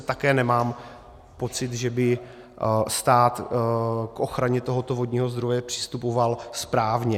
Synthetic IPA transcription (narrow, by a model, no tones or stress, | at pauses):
t̪akɛːnɛmaːm | po̞t͡sɪt̪ʒɛbɪ | st̪aːt̪ | kʔo̞xɾaɲɛt̪oɦo̞t̪o̞vo̞d̪ɲiːɦo̞zd̪ɾo̞jɛpr̝̥ɪ̥st̪upovalspɾaːvɲɛ